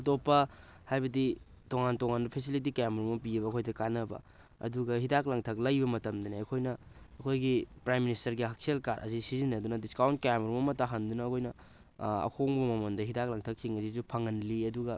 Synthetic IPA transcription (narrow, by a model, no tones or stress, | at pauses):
ɐtopːɐ | hajbɐdi | toŋantoŋanbɐpʰesilit̬ikeameɾmɐpiɐβɐːkʰojdɐkanɐbɐ̰ | ɐ̰duɡɐhidaklɐŋtʰɐk̚lɐjbɐmɐtɐmdɐneɐkʰojnɐːkʰojɡipɾajmːinistɐɾɡiɦak̚selkaɾʔɐ̰sisizinɐdunɐdiskawnt̚keameɾmɐmɐtːaɦandunɐːkʰojnɐ | ɐ̰kʰoŋbɐmɐmɐndɐɦidak̚lɐŋtʰɐk̚siŋɐsizupʰɐŋɐnliɐduɡɐ